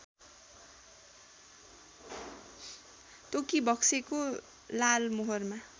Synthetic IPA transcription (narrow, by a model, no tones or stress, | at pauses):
t̪okibʌkseko | lalmoɦorma